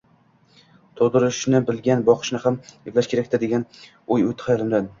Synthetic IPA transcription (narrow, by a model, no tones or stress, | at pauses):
t̪ʰoʁd̪ɪɾɪʃnɪbɪlɡʲanbɒqʰɨ̥ʃnɪhamjɪvlaʃkʲʰe̞ɾakʲt̪ad̪e̞ɡʲan | ojot̪ʰɪ̥hajalɪmd̪an